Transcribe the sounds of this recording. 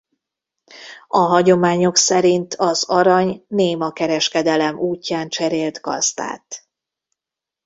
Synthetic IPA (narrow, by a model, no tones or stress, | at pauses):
ɒɦɒɟo̞maːɲo̞ksɛɾint̪ʰɒzɒɾɒɲneːmɒkɛɾɛʃkɛd̪ɛlɛmuːcːaːnt͡ʃɛɾeːlt̪kɒ̰st̪a̰ːt̪